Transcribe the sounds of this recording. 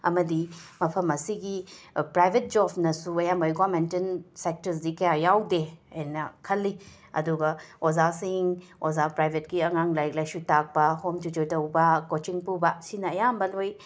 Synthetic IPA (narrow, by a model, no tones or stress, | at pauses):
ɐmɐdimɐpʰɐmɐsiɡipɾajbʱet̚d͡ʒɔbnɐsuɐjambɐjɡamentensek̚tɐɾs̬dikɐjajawdeɐnɐkʰɐlːi | ɐ̰duɡɐozasiŋozapɾajbʱetɡiɐŋaŋlajklajsutak̚pɐhomtud͡ʒojtɐwbɐkot͡ʃiŋpubɐsinɐɐjambɐloj